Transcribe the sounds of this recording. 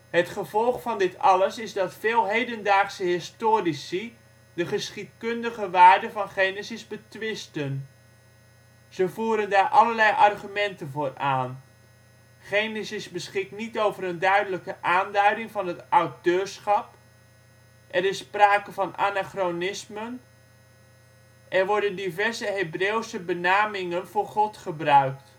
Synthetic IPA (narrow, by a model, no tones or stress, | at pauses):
ɦətχəvɔlˠχfɑndɪtɑləsɪzdɑtfɪːlˠɦejdəndaːχsəɦɪstoːrisi | dəχəsχit̚kɵndəχəʋaːɹdəvɑnχejnesɪzbətʋɪstən | z̥əvuːɾəndaːɹʔɑləɹlɛjʔɑrχymɛntənvoːraːn | χejnɪsɪsbəsχɪknitowvəɾəndœɥdələkəʔaːndœɥdɪŋvɑnɦətɑwtøːɹsχɑp | ʔɛɾɪsːpraːkəvɑnʔa̰naχronɪsmən | ʔɛɹʋɔɹdəndivɛɹzəɦebrewsəbənaːmɪŋənv̥ʊːɹχɔtχəbrœɥkt